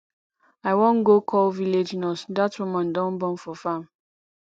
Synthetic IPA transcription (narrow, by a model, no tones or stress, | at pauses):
aɪwõnɡokʰɔlviled͡ʒnɔsdatwumãndɔ̃nbɔ̃nfɔfãm